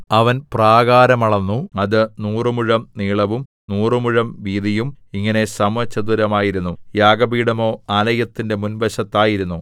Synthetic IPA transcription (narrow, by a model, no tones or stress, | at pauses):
ɐʋɐnpraːɣaːɾɐmɐɭɐnːuɐðɨnuːrɨmuɻɐmniːɭɐʋum | nuːrɨmuɻɐmʋiːðijumiŋːɐne̞sɐmʋɐt͡ɕːɐd̪uɾɐmaːjiɾunːujaːɡɐbiːɽɐmo̞ːalɐjɐt̪ːinde̞munbɐɕɐt̪ːaːjiɾunːu